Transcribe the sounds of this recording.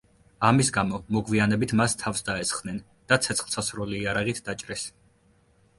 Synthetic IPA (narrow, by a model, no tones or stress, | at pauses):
amisɡamɔmɔɡvianɛbit̪ʰmast̪ʰafsd̪aɛsχd̥̪nɛn | d̪̥at̪sʰɛt̪sχlˠsasɾɔliːaɾaʁit̪ʰd̪at͡ʃʼɾɛs